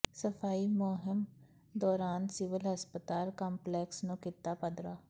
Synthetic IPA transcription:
səfʰaːimoːɦɪm | d̪ɔːɾaːnsɪʋəlɦəspət̪aːlkaːmplɛːksnõːkɪt̪ːaːpəd̪ɾaː

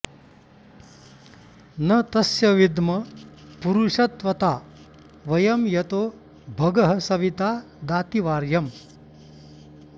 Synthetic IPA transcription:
nɐt̪ɐsjɐʋid̪mɐpuɾuʂɐt̪ʋɐt̪aː | ʋɐjɐmjɐt̪oː | bʱɐɡɐɦɐsɐʋit̪aː | d̪aːt̪iʋaːɾjɐm

